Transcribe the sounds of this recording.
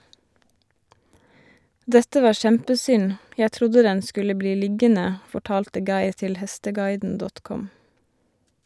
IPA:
ˈdɛtə ˈʋɑː ˈʃɛmpəˌsʏn ˈjæ ˈtɾʊdə ˈdɛn ˈskʉlə ˈbliː ˈlɪɡənə fɔˈʈɑːltə ˈɡɑɪɾ ˈtɪl ˈhɛstəˌɡɑɪdn̩ ˈdɔt ˈkɔm

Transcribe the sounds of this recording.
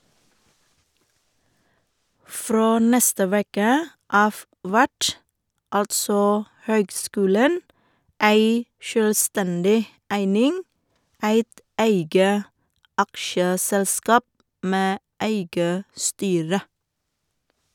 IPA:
ˈfɾoː ˈnɛstə ˈʋeːkə ˈɑːʋ ˈʋæʈ ˈɑltsɔ ˈhøːɡˌskʉːlən ˈæɪ ʃøːlˈstɛndɪ ˈæɪnɪŋ ˈæɪt ˈæɪɡə ˈɑkʃəˌsɛlˌskɑːp ˈmeː ˈæɪɡə ˈstyːɾə

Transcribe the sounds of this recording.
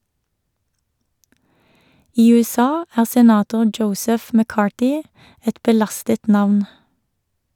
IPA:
ˈiː ʉɛˈsɑː ˈæːʁ sɛˈnɑːtʊ ˈd͡ʒəʊsɛf məˈkɑːʈɪ ˈɛt bəˈlɑstət ˈnɑʋn

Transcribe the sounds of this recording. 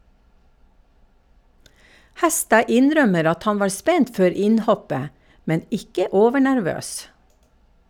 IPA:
ˈhɛˌstɑː ˈɪnˌɾœməɾ ˈɑt ˈhɑn ˈʋɑːɾ ˈspɛnt ˈføːɾ ˈɪnˌhɔpə ˈmɛn ˈɪkə ˈoːʋəɳæɾˌʋøːs

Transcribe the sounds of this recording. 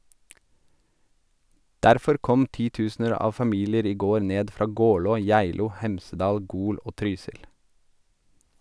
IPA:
ˈdæɾfɔɾ ˈkɔm ˈtiːˌtʉːsn̩əɾ ˈɑːʋ fɑˈmiːlɪəɾ ˈiː ˈɡoːɾ ˈneːd ˈfɾɑː ˈɡɔlɔ ˈjæɪluː ˈhɛmsəˌdɑːl ˈɡuːl ˈoː ˈtɾyːsɪl

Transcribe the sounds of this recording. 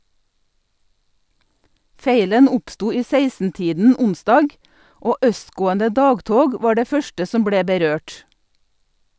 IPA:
ˈfeɪlən ˈʊpˌstuː ˈiː ˈseɪsnˌtiːdn̩ ˈʊnˌsdɑːɡ ˈoː ˈʔœstˌɡoːəndə ˈdɑːɡˌtoːɡ ˈʋɑː ˈɖeː ˈfœʃtə ˈsɔm ˈbɽeː bəˈɾøːʈ

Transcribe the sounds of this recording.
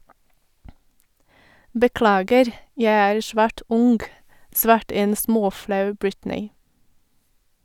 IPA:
bəˈklɑːɡəɾ ˈjæɪ ˈæːɾ ˈʃʋæːʈ ˈʊŋɡ ˈsʋɑːʈə ˈeːn ˈsmoːˌflɑʉ ˈbɹɪtnɪ

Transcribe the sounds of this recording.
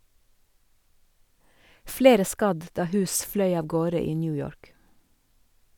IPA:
ˈfleːɾə ˈskɑd ˈdɑː ˈhʉːs ˈflœʏ ˈɑːʋ ˈɡoːɾə ˈiː ˈnyːjɔɹk

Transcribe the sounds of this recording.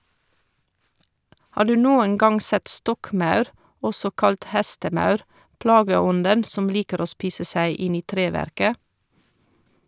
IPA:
ˈhɑː ˈɖʉː ˈnuːən ˈɡɑŋ ˈsɛt ˈstɔkˌmɑʉɾ ˈɔsɔ ˈkɑlt ˈhæstəˌmɑʉɾ ˈplɑːɡəˌɔndən ˈsɔm ˈliːkəɾ ˈoː ˈspiːsə ˈsæɪ ˈɪn ˈiː ˈtɾeːˌʋæɾkə

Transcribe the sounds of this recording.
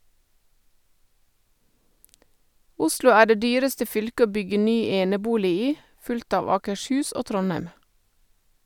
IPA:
ˈʊslʊ ˈæː ˈɖeː ˈdyːɾəstə ˈfʏlkə ˈoː ˈbʏɡə ˈnyː ˈeːnəˌbuːlɪ ˈiː ˈfʉlkt ˈɑːʋ ɑːkəʃˈhʉːs ˈoː ˈtɾɔˌnæɪm

